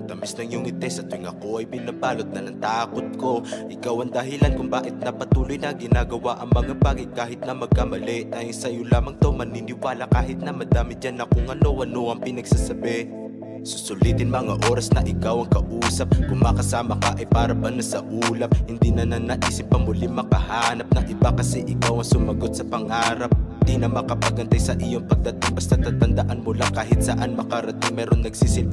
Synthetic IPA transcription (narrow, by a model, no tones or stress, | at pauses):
t̪amɪsnɐŋjʊŋɪt̪ɛsɐt̪ojŋɐkoʔɐjbɪnabaːlot̪̚nɐnɐŋt̪aːkot̪̚ko̞ʔɪkawɐŋd̪ɐɦɪlankʊŋbaːʔɪt̪̚nɐpɐt̪uːlojnɐɡɪnaɡɐwaʔɐŋmɐŋabaːɡɐjkaːɦɪt̪̚nɐmɐɡ̚kamɐlɛʔnɐsɐjʊlaːmɐŋt̪ɐwmɐninɪwaːlɐkaːɦɪt̪̚nɐmɐd̪aːmɪt̪̚d͡ʒanɐkoŋɐnowɐnoʔɐŋpɪnɐɡsasɐbɛ | sʊsʊlit̪ɪnmɐŋaʔo̞ːɾɐsnɐʔɪkawɐŋkɐʔuːsɐp̚kʊŋmɐkɐsaːmɐkɐʔɐjpaːɾɐbɐnasɐʔuːlɐp̚hɪnd̪inɐnɐnɐʔiːsɪp̚ːɐmʊlimɐkɐhaːnɐp̚nɐŋʔɪbakɐsɛʔɪkawɐŋsʊmɐɡot̪̚sɐpɐŋaːɾɐp̚nd̪inɐmɐkɐpɐɡɐnt̪ajsɐʔijoŋpɐɡ̚d̪ɐt̪ɪŋbɐst̪at̪ɐt̪ɐnd̪ɐʔanmolaŋkaːɦɪt̪̚sɐʔanmɐkɐɾɐt̪ɪŋmɛːɾonnɐɡsisɪp̚